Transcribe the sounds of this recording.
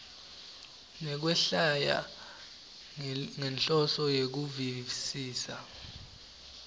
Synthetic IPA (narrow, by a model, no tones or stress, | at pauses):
nɛk̬wɛɬaja̰ | ŋɛnɬʼɔsɔjek̬uvisiːsa